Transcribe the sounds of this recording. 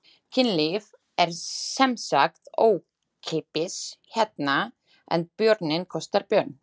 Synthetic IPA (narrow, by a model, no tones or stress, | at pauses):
cʰɪnliv | ɛɾ̥sɛmsakt̪oːw | kʰɪpɪsçɛt̪na | ɛ̰npjœɾt̪nɪnkʰɔst̪aɾpjœɾn